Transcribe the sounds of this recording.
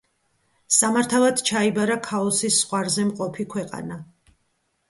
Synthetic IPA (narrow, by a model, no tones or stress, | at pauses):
samaɾt̪ʰalˠad̪̥t͡ʃʰaibaɾakʰaɔsisːχwaɾzɛmqʼɔpʰikʰwɛqʼa̰na